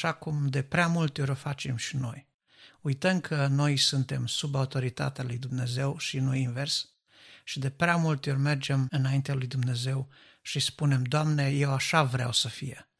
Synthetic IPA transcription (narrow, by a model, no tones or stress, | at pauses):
ʃakumd̪e̞pɾeamult̪eo̞ɾʲofat͡ʃe̞mʃino̞̰j | ujt̪əmkʰəno̞jsunt̪e̞msubaut̪o̞ɾit̪a̰t̪ealujd̪umne̞ze̞wʃinujinve̞rs | ʃid̪e̞pɾeamult̪eo̞rʲme̞rd͡ʒe̞mɨnaint̪ealujd̪umne̞ze̞w | ʃispune̞md̪oamne̞je̞waʃavɾea̰wsəfije